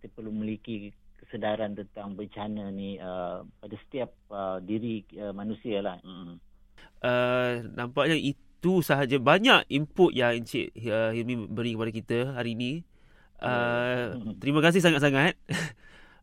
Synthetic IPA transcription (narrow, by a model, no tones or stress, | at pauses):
it̪əpərlumilikikə̥sədaɾant̪ənt̪aŋbət͡ʃananiəpadasə̥t̪iap̚ədiɾiəmanusialahm̩ | ʔənampak̚ɲaʔit̪usaɦad͡ʒabaɲakimpʊt̪jaŋiɲt͡ʃḭʔ̚əhilmĩbəɾikəpadakit̪əɦaɾiːnĩ | ʔə | t̪əɾimakas̬ɪhs̬aŋat̪̚s̬aŋat̪̚